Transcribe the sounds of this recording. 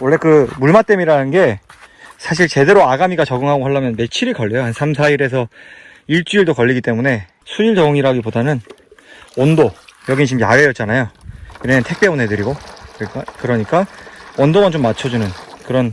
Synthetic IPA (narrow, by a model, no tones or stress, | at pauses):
wʌɭːe̞kɯmuɭmat͈e̞miɾanɯnɡe̞ | sʰaɕ̬ʰiɭt͡ɕe̞de̞ɾoaɡamiɡat͡ɕʌɡɯŋɦaɡohaɭːamjʌnme̞t͡ɕʰiɾɯɭkʌɭːejoasʰamsʰaiɾe̞s̬ʰʌ | iɭt͡ɕ͈uiɭdokʌʎːiɡit͈e̞mune̞ | sʰud͡ʑiɭt͡ɕʌɡɯŋiɾɦaɡipodanɯn | ʌndojʌɡint͡ɕimjaɾejʌt̚t͡ɕ͈anajoiɾemʌntʰe̞k̚p͈e̞unɦe̞dɯɾiɡokk͈kɯɾʌɲik͈aʌndoɡant͡ɕomːat͡ɕʰʌd͡ʑunɯnkɯɾʌn